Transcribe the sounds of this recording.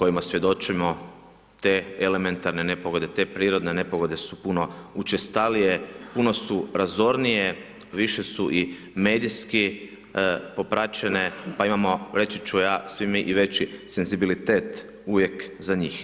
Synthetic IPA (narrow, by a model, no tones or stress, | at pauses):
ko̞jimasʋje̞d̪o̞t͡ʃimo̞ | t̪e̞ele̞me̞nt̪aɾne̞ne̞po̞ɡo̞d̪e̞t̪e̞pɾiːɾo̞d̪ne̞ne̞po̞ɡo̞d̪e̞supuno̞ut͡ʃest̪alije̞puno̞suɾazo̞ɾnije̞ | ʋiʃe̞suʔi | me̞ːd̪iski | po̞pɾat͡ʃe̞ne̞paimamo̞ɾe̞t͡ʃit͡ʃujaːsʋimiʔiʋe̞t͡ʃise̞nzibilit̪e̞ːt̪ | uʋje̞kzaɲiːx